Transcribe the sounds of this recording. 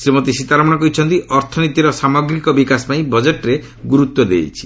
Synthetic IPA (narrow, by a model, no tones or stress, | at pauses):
sɾimot̪isit̪aɾɔmɔnakɔit͡ʃʰɔnt̪iʔɔɾt̪ʰɔnit̪iɾɔsamɔɡɾikɔbikasɔpaĩbɔd͡ʒeʈɾe | ɡuɾut̪wɔd̪ḛjt͡ʃʰi̥